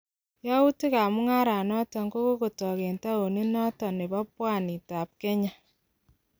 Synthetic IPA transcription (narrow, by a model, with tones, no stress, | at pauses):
jɔ˦u˦ti˦ka˨mu˦ŋa˦ɾa˨nɔ˦tɔ˨ŋko˦ko˦ko˨tɔ˨ke˨nta˦o˨ni˦nɔ˦tɔ˨ne˨ba˦pwa˦˨ni˨ta˨p̚kɛ˦ɲa˦